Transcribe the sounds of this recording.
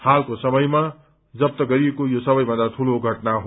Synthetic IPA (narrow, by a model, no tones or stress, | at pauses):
halkosʌmʌjma | d͡zʌp̚t̪ʌɡʌɾiekojosʌbʌjbʱʌnd̪at̪ʰuloɡʱʌʈnaɦo